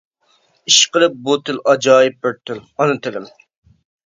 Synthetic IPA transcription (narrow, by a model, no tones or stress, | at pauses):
iʃqəlˠɨp̚but̪ʰɪlɑd͡ʒɑːjɪp̚bɪɾt̪ʰːɪlɑnɨt̪ʰɨlɪm